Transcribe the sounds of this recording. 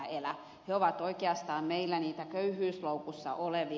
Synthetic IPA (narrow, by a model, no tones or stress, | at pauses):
elæ | heoʋɑt̪oikeɑst̪ɑːmmeilːæniːt̪ækøyhyːsloukusːɑ̰ʔoleʋi